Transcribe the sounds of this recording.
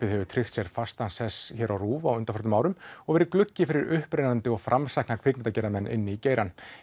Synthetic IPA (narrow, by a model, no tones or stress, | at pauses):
ɪðhɛvʏt̪ʰɾɪxt̪sjɛɾ̥fast̪ansɛsçɛɾawruːvaawʏnt̪afœɾt̪ʏmaːwɾʏmɔɣvɛɾɪɾklʏcːɪfɪɾɪɾʏhpɾeːjnant̪ɪɔɣfɾʔamsajhknakʰvɪːknɪnt̪acɛɾamɛnːʔɪ̰nːɪiceːjɾan